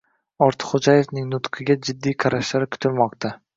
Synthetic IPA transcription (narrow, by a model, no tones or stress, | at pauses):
ɒɾt̪ʰɪ̥χod͡ʒaje̞fnɪŋnʊt̪qʰɨɡʲad͡ʒɪd̪ːijqʰɑɾaʃlaɾɪkʲʰʊ̥t̪ʰɪlmɒq̚t̪ʰa